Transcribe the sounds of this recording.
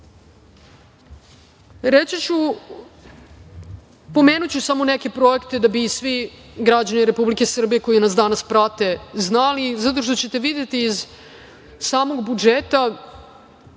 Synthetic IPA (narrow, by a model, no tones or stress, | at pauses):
ɾet͡ɕit͡ɕu | po̞meːnut͡ɕusamo̞neke̞pɾo̞ekt̪e̞d̪abisʋi | ɡɾad͡ʑaniɾepublike̞sr̩bije̞ko̞jinas̬d̪anaspɾat̪e̞znalizat̪o̞ʂ̬t̪o̞t͡ɕe̞t̪e̞ʋid̪jet̪iːz | saːmo̞ɡbud͡ʒeːt̪a